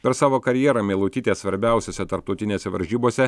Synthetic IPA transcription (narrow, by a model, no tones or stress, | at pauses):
pʲɛɾsɑːʋoːkɐɾʲjiɛɾɐmʲeːlˠʊt̪ʲiːt̪ʲeːsʋɐɾʲbʲæˑʊsʲoːsʲɛt̪ɐɾp̚t̪ɔʊt̪ʲɪnʲeːsʲɛʋɐ̰ɾʲʒʲiːboːsʲɛ